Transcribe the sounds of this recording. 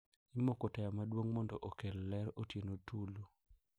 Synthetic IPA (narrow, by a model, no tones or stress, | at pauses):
ɪmokotɛjamadwoŋmɔndɔʔokellɛɾotjenotulo